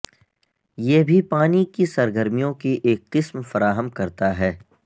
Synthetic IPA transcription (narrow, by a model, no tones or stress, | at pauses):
jeɦbʱipaːnikisɐɾɡəɾmijõkiʔeːk̚qɪsmfɐɾaːɦəmkɐɾt̪aɦɛː